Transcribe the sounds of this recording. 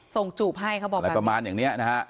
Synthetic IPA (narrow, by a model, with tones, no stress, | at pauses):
so˨˩ŋt͡ɕuː˨˩p̚ɦa˥˩jkʰa˦˥wbɔː˨a˨˦˩ɾa˧maː˧njaː˨˩ŋni˦˥ɐna˦˥kʰa˦˥ʔ